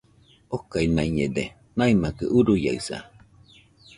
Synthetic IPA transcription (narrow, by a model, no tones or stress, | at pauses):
okainaiɲed̪e | naimakɯʔuɾuja̰ɯsa̰